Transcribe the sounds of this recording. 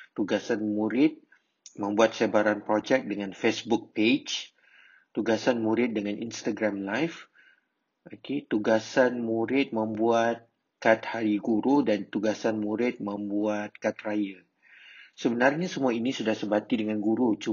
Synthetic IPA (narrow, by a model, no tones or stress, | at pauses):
t̪uɡasanmuɾɪt̪̚ | mə̃mbuat̪̚sebaɾanpɾod͡ʒɛk̚dəŋãnfesbuk̚ped͡ʒ | t̪uɡasanmuɾɪt̪̚dəŋanʔinst̪aɡɾamlajf | okʰet̪uɡasanmuɾɪt̪̚mə̃mbuat̪̚ | kat̪̚haɾiɡuɾudant̪uɡasanmuɾɪt̪̚mə̃mbuat̪̚kat̪̚rajə | səbənarɲasəmũainisudahsəbat̪idəŋanɡuɾut͡ʃu